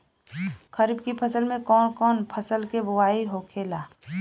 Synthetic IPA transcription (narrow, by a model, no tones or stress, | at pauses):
kʰəɾibkipʰəsəlmẽkɔːnkɔːnpʰəsəlkebʊwaːiɦokʰeːlaː